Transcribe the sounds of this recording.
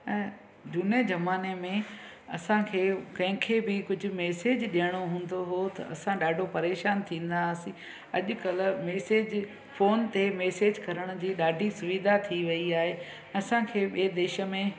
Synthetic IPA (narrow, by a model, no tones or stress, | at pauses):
ɛ̃ | d͡ʑuːned͡ʑɐmaːnemẽɐsãkʰeːkɐ̃ɦɪ̃kʰeːbɪkʊd͡ʑʱʊ̆meːseːd͡ʑɗijəɽ̃oɦũːn̆d̪oɦot̪ɐ̰ɐsãɗaːɖʱopɐɾeːʃaːnt̪ʰĩːn̆d̪asĩ | ɐʄʊ̆kɐl̆meːseːd͡ʑ | foːnt̪emeːseːd͡ʑkɐɾəɽ̃ʊd͡ʑiːɗaːɖʱisʊʋiːd̪ʱat̪ʰiʋɐiaːɦẽ | ɐsãkʰeːɓied̪eːʃə̆mẽ